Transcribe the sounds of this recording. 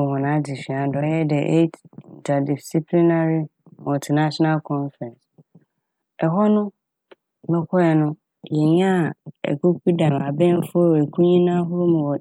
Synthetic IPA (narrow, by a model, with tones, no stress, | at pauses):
ɔ˨hɔ̃˨nã˨˦di˨ɕᶣi˨ã˨dɔ˨˦jɛ˦dɛ˨ʔe˦tɪ˨ntʰa˨di˨si˦pʰli˦na˦ɾi˦ | mɔ˨ltʰi˨na˦ɕɔ˦na˦lkʰɔ̃˦nfɾɛ̃˨ns | ɛ˨ɦɔ˦nʊ̃˦ | mɛ˦kʷʰɔ˦ɛ˨nʊ̃˦ | jɛ˨ɲ˦ã˦˨ɛ̰˨kʰo˦ku˦dã˨ma˨bɛ̃˦n˦fʊ˦˨e˨kʰu˦ɲĩ˦nã˦ɦʊ˦ɾo˦mɪ̃˨wɔ˨